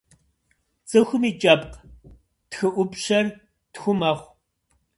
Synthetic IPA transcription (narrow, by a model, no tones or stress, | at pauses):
t͡sʼɨxʷʊmiːt͡ʃʼɐpq | txɨʔʷʊpɕɐr | txʷʊmɐχʷ